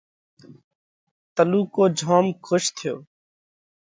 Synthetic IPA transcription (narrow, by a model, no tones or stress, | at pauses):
t̪əluːkoːd͡ʒʱoːmkʰʊʃt̪ʰɪjoː